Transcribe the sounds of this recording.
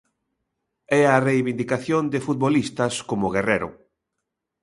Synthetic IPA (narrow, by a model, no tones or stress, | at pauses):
ɛɐrejβind̪ikaθjond̪ɪfut̪̚βolist̪ɐskomʊɣereɾʊ̰